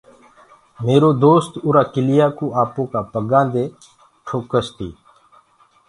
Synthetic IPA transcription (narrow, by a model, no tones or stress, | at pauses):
meːɾoːd̪oːst̪uːɾaːkɪlɪjaːkuːaːpõːkaːpəɡãːd̪eː | ʈʰoːkəst̪ḭː